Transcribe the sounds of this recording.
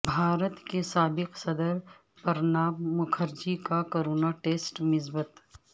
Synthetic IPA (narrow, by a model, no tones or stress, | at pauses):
bʱaːɾət̪kesaːbɪqsɐd̪əɾ | pɐɾnaːmmʊkʰəɾd͡ʒikakoɾoːnaʈeːsʈmɪsbət̪